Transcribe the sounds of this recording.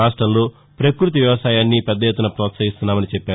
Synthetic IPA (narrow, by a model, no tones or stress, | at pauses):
aːʂʈɾɐmlo̞ː | pɾɐkɾut̪̬iʋjɐʋɐsaːjaːnːipɛd̪ːɐjet̪ːunɐpɾɔːt̪sɐɦist̪unːaːmɐnit͡ʃɛpːaːu